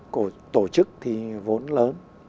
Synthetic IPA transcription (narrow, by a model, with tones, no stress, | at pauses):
o˧˩t̪o˧˩t͡ɕɨ˦˥k̚t̪ʰi˨˩vo˨˦nləː˨˦n